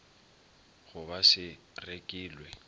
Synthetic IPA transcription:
ɣʊbaʃɪ | rekʼiːlwɛ

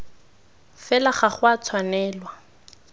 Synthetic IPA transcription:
fɛlaχaχʊat͡sʰwanɛːlwa

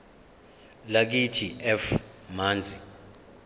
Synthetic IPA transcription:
lak̬itʰiɛfmaːnd͡zʱi

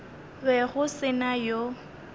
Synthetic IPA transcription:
bɛɣʊsɪnajo

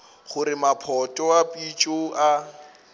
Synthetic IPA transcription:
χʊɾɪmapʰɔtʼɔapʼit͡ʃʼoa

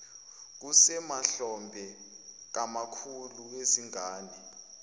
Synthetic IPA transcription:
k̬usɛmaɬɔmbʱɛ | k̬amakʰulueziŋaːni

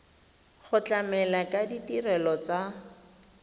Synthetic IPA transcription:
χʊt͡ɬʼamɛlakʼaditirɛlɔt͡sa

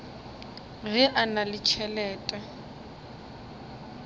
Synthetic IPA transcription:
ɣɛʔanalɪt͡ʃʰɛlɛːtʼɛ

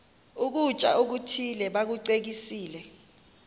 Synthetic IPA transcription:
uk̬ut͡ʃʼa̰ʔuk̬utʰilɛɓak̬uǀek̬isiːlɛ

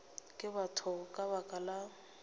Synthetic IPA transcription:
kʼɪbatʰʊkʼabakʼala

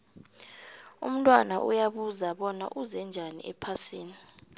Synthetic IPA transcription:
ṵm̩tʼwanaʔṵjaɓuzaɓɔna̰ʔuzɛnd͡ʒʱanḭʔɛpʰasiːni

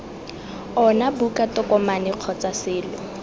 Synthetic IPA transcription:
ɔnabukatɔkɔmanɪq͡χʰɔt͡sasɪːlɔ

